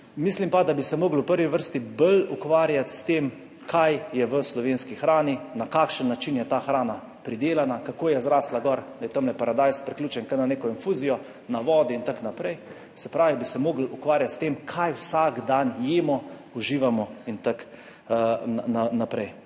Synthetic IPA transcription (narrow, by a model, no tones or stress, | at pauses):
mislimpad̪abisɛmoːɡl̩wpəɾʋiʋəɾst̪ibəlukʋaːɾjat̪st̪em | kʰajjɛʋəslɔʋenskixɾaːninakaːkʃənːat͡ʃinjɛt̪aːxɾaːna | pɾid̪eːlanakakoːjɛzɾaːslaɡɔɾd̪ajɛt̪əmlɛpaɾad̪ajspɾɛklʲuːt͡ʃɛnkananeːkɔinfuːzijɔ | naʋɔːd̪iint̪aknapɾɛj | sɛpɾaːʋibisɛmoːɡlukʋaːɾjat̪st̪eːmkʰajwsaɡd̪anjeːmɔuʒiːʋamɔint̪ak | nanapɾɛj